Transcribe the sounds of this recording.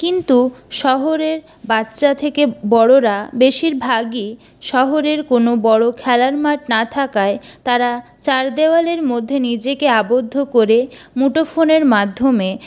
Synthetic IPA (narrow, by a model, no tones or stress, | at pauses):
kint̪uʃɔɦoɾeɾ | batːɕat̪ʰekebɔɽoɾabeʃiɾbʱaɡi | ʃɔɦoɾeɾkonobɔɽokʰɛlaɾmaʈnat̪ʰakaet̪aɾa | t͡ɕaɾd̪ewaleɾmod̪ʱːenid͡ʑekeabod̪ʱːokoɾemuʈofʰoneɾmad̪ʱːome